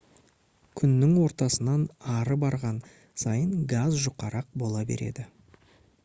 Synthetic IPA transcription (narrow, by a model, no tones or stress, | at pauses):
kʲʰʏnːɪŋwo̞ɾt̪ɑsənɑnɑɾəbɑɾʁɑn | sɑjənɡazʒʊqɑɾɑq̚bo̞lˠɑbḛɾe̞̰d̪ɪ